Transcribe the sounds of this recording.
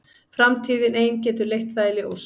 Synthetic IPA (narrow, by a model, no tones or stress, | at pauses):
fɾamt̪ʰiːðɪneːjncɛːt̪ʏɾlejht̪θaːjlɪɔɣs